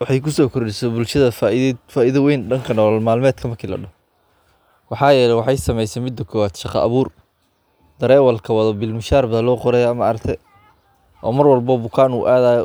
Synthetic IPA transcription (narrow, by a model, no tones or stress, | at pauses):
wɑħɑjkʰʊsɔːkʰʊrɖɪsɛbʊlʃɐðɐfafaːʔiðɐwɛjnɖɐŋkʰɐnɔːlɔlmaːlmɛːd̪kʰɐmɐkʰilɐ̰ɖɔ | wɑħɑːjɛːlɛjwɑħɑjsɐmɛjsɛmɪd̪ːɐkʰɔːwaːd̪ʃɑqɑ̰ʔɐ̰βuːr | d̪̥ɐɾɛːwɐlkʰɐwɐðɔbɪlmɪʃaːrbɐðɐnlɔːqɔɾɛjamɐɐɾkt̪ʰɛ | ʔɔ̰ːmɐrwɑlbɔbʊkʰaːnṵːʔaːðaːjɔ